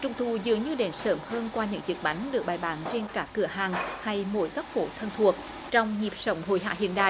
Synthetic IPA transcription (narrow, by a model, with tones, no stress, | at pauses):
t͡ɕʊ˨˧˩wŋ͡mt̪ʰu˨˩zɨ̰˨əŋɲɨ˧ɗe˨˦nsəː˨˦mhəː˧nkwaː˧ɲɨ̰˧˥ŋzɨ˨˩k̚ɓa˨˦jŋ̟ɗɨ˨˩ək̚ɓaː˨˩jɓaː˨˦nt͡ɕe˧nkaː˦˥kːɨ˧˩əɦaː˨˩ŋha˧jmo̰˧˥jkaə˦˥k̚fo˧˦t̪ʰə˧nt̪ʰu˨˩ək̚ | t͡ɕɔ˧wŋ͡mɲi˨˩p̚sə˨˧˦wŋ͡mɦo̰˧˨jɦa̰ː˧˥hḭ˧˨ənɗa̰ː˧˨